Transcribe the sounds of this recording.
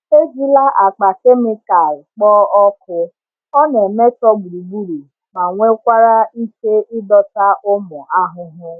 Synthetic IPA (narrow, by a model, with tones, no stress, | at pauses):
e˦zi˦la˦ʔa˨k͡pa˨ke˦me˦ka˨lk͡pɔː˦ɔ˦kʊ˦ | ɔ˦ne˨me˦tɔ˦ɡ͡bu˨ɾi˨ɡ͡bu˦ɾi˨ | ma˨ŋʷe˦kʷa˦ɾa˦i˦ke˦ʔɪ˦dɔ˦ta˦ʔʊ˦mʊ˨ʔa˦ɦʊ˦ɦʊ˦